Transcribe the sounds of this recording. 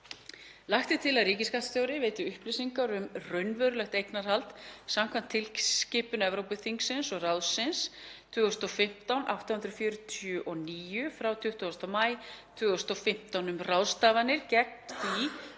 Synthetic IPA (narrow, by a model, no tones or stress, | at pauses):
laxt̪ɪt̪ʰɪlaðriːcɪskat̪st̪jowɾɪveːjt̪ʏʏhplisiŋkaɾʏmrœɥnvœɾʏlɛxt̪ejknaɾ̥halt̪samkʰvam̥t̪ʰːɪlscɪːpʏnɛvɾowpʏθiŋksɪnsɔɣrawðsɪnst̪ʰvʏːɣʏst̪ɔfɪm̥t̪awnʔa̰wht̪ahʏnt̪ɾʏfjœːɾʏt̪ʰʏʔɔniːjʏfɾawt̪ʰʏht̪ɔst̪amaːjt̪ʰvʏːɣʏst̪ɔfɪm̥t̪awnʏmrawst̪aːvanːɪɾ̥cɛk̚nθi